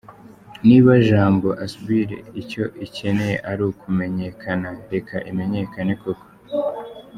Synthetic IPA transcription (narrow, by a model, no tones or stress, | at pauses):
niβaʒaːmbo̞ʔasuβiɾe̞̰ico̞ʔice̞ne̞je̞ʔaɾukʰume̞ɲe̞kʰanaɾe̞kʰa̰ʔime̞ɲe̞kanekoko̥